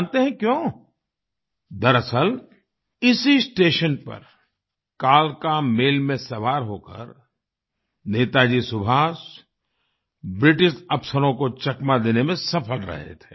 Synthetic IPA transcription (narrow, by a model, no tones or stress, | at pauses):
nt̪eɦɛ̃kjõː | d̪ɐɾəsəl | ɪsisʈeːʃənpɐ̰ɾ | kaːlkameːlmẽsɐʋaːɾɦoːkə̰ɾ | neːt̪ad͡ʒisʊbʱaːs | bɾɪʈɪʃɐpsəɾõkot͡ʃɐkmad̪eːnemẽsɐpʰəlɾɐ̰ɦḛt̪ʰeː